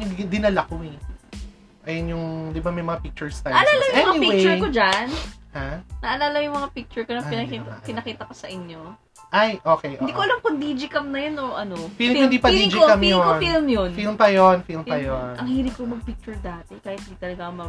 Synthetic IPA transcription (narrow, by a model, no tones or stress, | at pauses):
nɐɡd̪ɪnɐlɐkoɛ | ʔɐjonjʊŋd̪ɪbamɐjmɐŋapik̚t͡ʃʊɹst̪ɐjɐʔɐlaːlɐjɛmɐŋanipiwet͡ʃʊɹkod͡ʒanhanɐʔɐlaːlɐjʊŋmɐŋapik̚t͡ʃʊɹkonɐpɪnɐkipɪnɐkiːt̪ɐkosɐʔɪɲjo̞ | ʔajʔoːkɛjʔɪnd̪iːkoʔɐlɐmpɐnd̪id͡ʒɪkɐmnɐjono̞ʔɐnofilmɪnd̪ipɐd̪id͡ʒɪkɐmjofilmjonfilmpɐjonfilmpɐjonʔɐŋhiːɾɪkomɐɡ̚pɪk̚t͡ʃʊɹd̪aːt̪ɛkaːhɪt̪hɪnd̪iːt̪ɐlɐɡamɐ